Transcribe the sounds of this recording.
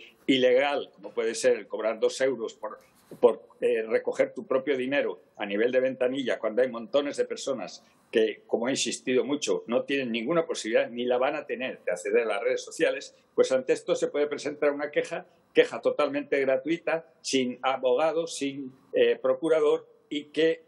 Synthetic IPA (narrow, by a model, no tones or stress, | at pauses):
ile̞ɣ̞alko̞mo̞pwe̞ð̞ese̞ɾlko̞βɾaɾðo̞se̞wɾo̞spoɾ | po̞ɾere̞ko̞χe̞ɾt̪upɾo̞pjo̞ðine̞ɾo | aniβ̞e̞ld̪e̞β̞e̞nt̪aniʎakwand̪oajmõnt̪o̞ne̞zðe̞pe̞ɾso̞na̰s | ke̞ko̞moainsist̪iðo̞mut͡ʃo̞no̞t̪je̞nẽ̞ŋːĩŋɡunapo̞siβliðaðnilaβanat̪e̞ne̞ɾd̪eaθe̞ðe̞ɾalare̞ð̞esːo̞θjale̞s | pwe̞sant̪eest̪o̞sepwe̞ð̞epɾe̞se̞nt̪aɾunake̞xa | ke̞xat̪o̞t̪almẽnt̪e̞ɣ̞ɾat̪uit̪a | siŋaβo̞ɣ̞að̞o̞siŋ | epɾo̞kuɾað̞o̞ɾ | ike